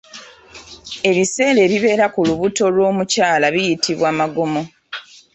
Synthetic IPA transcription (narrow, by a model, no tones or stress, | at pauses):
e̞βise̞ːɾe̞ːβiβe̞ːɾakuluβuto̞lwo̞ːmucaːlaβijitʰiβwaːmaɡomo̞